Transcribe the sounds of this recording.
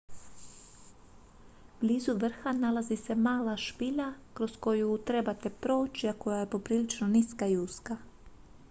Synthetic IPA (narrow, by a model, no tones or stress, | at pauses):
blʲiːzuʋr̩xanalazise̞maːlaʃpiʎakɾo̞sko̞jut̪ɾe̞bat̪e̞pɾo̞ut͡ʃiako̞jaje̞po̞pɾiːlit͡ʃnoniskaiuska